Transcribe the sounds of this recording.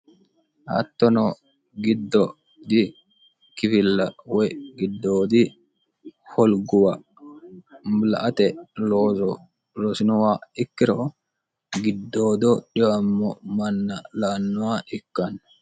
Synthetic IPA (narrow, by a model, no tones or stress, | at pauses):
hɐ̰t̪ːɔnɔ | ɡɪd̪ːɔ | d̪ɪ | kɪfɪlːɐwɔjɡɪd̪ːoːd̪ɪ | hɔlɡʊwɐ | mlɐʔɐt̪ɛloːɔ | lɔsɪnɔwaːɪkːɪɾɔ | ɡɪd̪ːoːd̪ɔᶑɪwɐmːɔmɐnːɐlaːnːʊwaːʔɪkːɐn